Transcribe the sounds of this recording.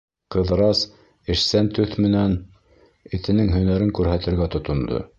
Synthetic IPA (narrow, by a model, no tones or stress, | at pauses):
qɤ̆ðɾɑs | ɘ̆ʃsænt̪ɵθmɘ̆næn | ɘ̆t̪ɘ̆nɘŋɦɵ̆næɾɘŋkʉɾɦæt̪ɘ̆ɾɡæt̪ŏt̪ŏnd̪o̰